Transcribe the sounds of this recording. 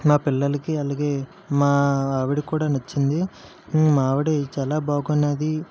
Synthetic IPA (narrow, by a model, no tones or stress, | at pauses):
maːpilːɐlɐkiɐlaːɡe̞ː | maːaːʋiɽikuːɽaːnɐt͡ʃːind̪i | maːʋiɽet͡ʃaːlaːbʱaːɡunːaːd̪i